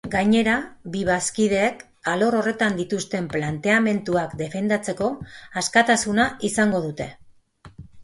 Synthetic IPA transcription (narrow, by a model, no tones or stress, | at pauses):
ɡaɲe̞ɾabiβaskið̞e̞ːk | alo̞ɾo̞re̞t̪and̪it̪ust̪e̞mplant̪e̞ame̞nt̪uakd̪e̞fe̞nd̪at͡se̞ko̞askat̪asunaisaŋɡo̞ð̞ut̪e̞